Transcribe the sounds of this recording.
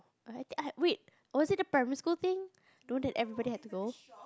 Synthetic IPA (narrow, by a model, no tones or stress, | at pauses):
ajt̪ĩŋaʔwit̚ | wɔzɪt̚əpɹɛmiskult̪ĩŋ | dõnlɛtɛvɹibɔɾihɛt̚tuɡo